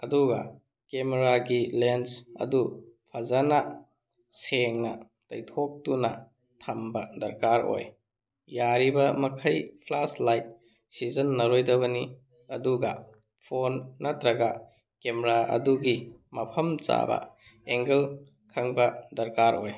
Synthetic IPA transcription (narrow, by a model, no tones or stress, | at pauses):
ɐduɡɐ̰ | kemeɾaɡilensɐ̰dupʰɐzanɐ | seŋnɐ | tɐjtʰok̚tunɐ̰ | tʰɐmbɐdɐɾkaɾo̰j | jaɾibɐmɐkʰɐjpʰlaslajt̚ | sizɐnːɐɾojdɐβɐni | ɐduɡɐ | pʰonːɐtɾɐɡɐ | kemeɾaʔɐ̰duɡimɐpʰɐmt͡ʃa̰bɐ̰ | eŋɡel | kʰɐŋbɐdɐɾkaɾo̰j